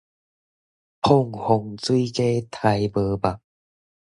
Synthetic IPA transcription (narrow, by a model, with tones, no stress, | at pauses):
pʰo˥˨ŋho˧ŋt͡swi˦ke˦t̪ʰa˧jbɤ˧˦ba˨˩